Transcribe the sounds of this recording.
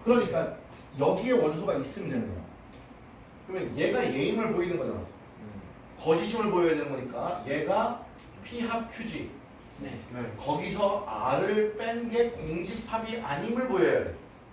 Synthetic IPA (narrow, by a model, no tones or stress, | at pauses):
kɯɾʌɲik͈a | jʌɡie̞wʌns̬ʰoɡais͈ɯmendenɯnɡʌjo̰ | kɯɾʌmeʌnje̞ɡaje̞imɯɭpoinɯnɡʌd͡ʑo̰ | kʌd͡ʑiɕʰimɯɭpojʌjadenɯnɡʌɲik͈aje̞ɡa | pʰiɦak̚pʰjud͡ʑi | nekʌɡisʰʌa̰ɾɯɭp͈enɡe̞koŋd͡ʑipʰabiʔaɲimɯɭbojʌjade